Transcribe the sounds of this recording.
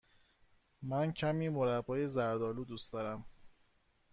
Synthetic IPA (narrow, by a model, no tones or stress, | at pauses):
mæncʰæmiːmoɾæbːɒːjezæɾd̪ɒːluːd̪uːsd̪ɒːɾæm